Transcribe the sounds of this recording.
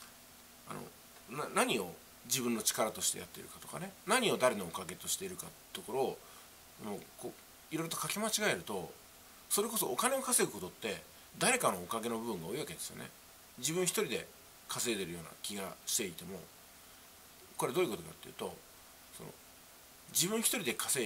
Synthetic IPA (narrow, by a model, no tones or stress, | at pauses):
a̰no̰ | nanaɲ̟io̞ | d͡ʑibɯ̟̃nːot͡ɕi̥kaɾat̪o̞ɕi̥t̪e̞̰ja̰t̪ːe̞̰ɾɯ̟kat̪oka̰ne̞naɲ̟io̞d̪aɾe̞no̞ːkaɡe̞t̪o̞ɕi̥t̪e̞iɾɯ̟kat̪ | t̪oko̞ɾo̞ | moːko | iɾo̞iɾo̞t̪okakemat͡ɕiɡae̞ɾɯ̟t̪o̞ | so̞ɾe̞ko̞so̞ːkane̞o̞kaseɡɯ̟ko̞t̪o̞t̪ːe̞ | d̪aɾe̞kano̞ːkaɡe̞no̞bɯ̟bɯ̟̃ŋɡaoiβake̞d̪e̞sɨjone̞̰ | d͡ʑibɯ̃ɰ̃çi̥t̪o̞ɾʲid̪e̞ | kʰase̞ːd̪eɾɯjo̞ːna̰kʲiɡa̰ɕi̥t̪e̞it̪e̞mo̞̰ | ko̞ɾe̞d̪o̞ːiɯko̞t̪o̞ka̰t̪ːeji̟ːt̪o̞̰ | so̞̰no̰ | d͡ʑibɯ̟̃ɰ̃çi̥t̪oɾʲid̪e̞kʰaseː